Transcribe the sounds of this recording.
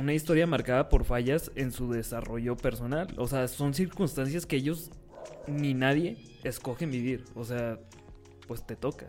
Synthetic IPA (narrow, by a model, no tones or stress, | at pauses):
unaist̪o̞ɾjamaɾkaðapo̞ɾfaʝase̞nsuðe̞saro̞ʝo̞pe̞ɾso̞nalo̞̰se̞aso̞nsiɾkunst̪ans̬jaskeeʝo̞z | ninaðje̞ː | sko̞xe̞mbiβ̞iɾo̞se̞a | pwe̞st̪e̞t̪o̞ka